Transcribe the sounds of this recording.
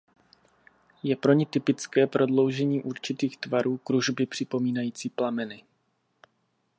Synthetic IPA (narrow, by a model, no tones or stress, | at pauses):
jɛpɾo̞ɲɪt̪ɪpɪt͡skɛːpɾo̞dlo̞wʒɛɲiːʔuɾt͡ʃɪt̪iːxt̪vaɾuːkɾuʒbɪpr̥ɪpo̞miːnajiːt͡siːplamɛnɪ